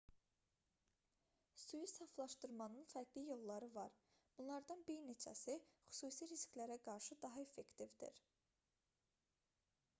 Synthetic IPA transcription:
sujisɑflˠɑʃt̪ɯɾmɑnɯnfæɾɡlijo̞lˠːɑɾɯvɑɾ | b̥unlˠɑɾd̪ɑnbiɾne̞t͡ʃʰæ̰sixy̥suːsiɾiskʲlæɾæɡɑɾʃɯd̪ɑɦɑe̞fːe̞kt̪ivd̪ḭɾ

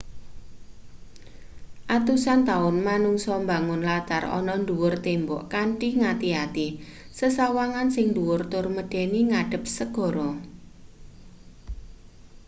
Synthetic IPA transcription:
ʔat̪usant̪aʊnmanuŋsɔmbaŋʊnlat̪a̰rɔ̰nɔnd̪uwʊrt̪embɔ̰ʔkaɳʈiŋat̪iat̪i | səsawaŋansɪŋnd̪uwʊrt̪ʊrməɖ̥ɛniŋaɖ̥ə̤p̚səɡ̥ɔ̤ɾɔ

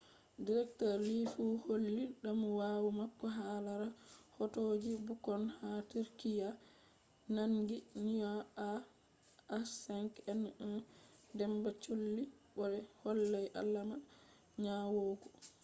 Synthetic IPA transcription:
diɾɛk̚tɔɾlifuholːiɗamwawumakːɔɦalaɾahɔtoːd͡ʒibukɔnhatiɾkija | naŋɡinijɔaː | sɛŋkɛnɛdɛmbat͡ʃolːiɓɔɾɛhɔlːajʔa̰lːama | ɲawoːɡɔ

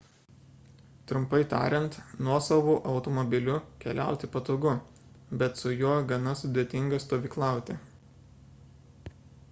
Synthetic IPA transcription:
t̪ɾʊmpɐɪt̪ɑ̰ːɾʲɛnt̪nuɔsɐʋoːʔɐʊt̪ɔmɔbʲɪlʲʊkʲɛlʲæ̰ˑʊt̪ʲɪpɐt̪oːɡʊ | bʲɛt̪sʊjuɔɡɐnɐsʊd̪ʲet̪ʲɪŋɡɐst̪oːʋʲiːklˠɑˑʊt̪ʲɪ

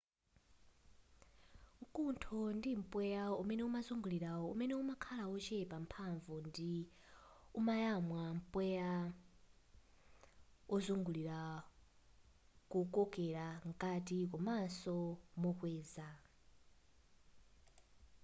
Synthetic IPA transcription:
ŋkʼuntʰɔndim̩pʼwɛjaumɛnɛumazuŋɡuliɾaɔṵmɛnɛumakʰalaɔt͡ʃʰɛpʼam̩pʰaɱvɔndi | umajamwam̩pʼwɛja | ɔzuŋɡuliɾa | kukʼɔkʼɛɺaŋkʼatik̬ɔmasɔmɔkwɛːza

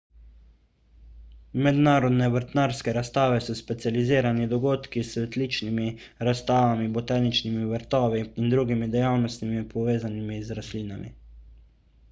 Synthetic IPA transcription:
mɛd̪naːɾɔd̪nɛbəɾt̪naːɾskɛɾast̪aːʋɛsɔspɛt̪sializiːɾanid̪ɔɡoːt̪kisʋɛt̪liːt͡ʃnimiɾast̪aːʋamibɔt̪aːnit͡ʃnimiʋəɾt̪ɔːʋiːnd̪ɾuɡimid̪ɛjaːwnɔst̪nimipɔʋeːzanimizɾasliːnamḭ

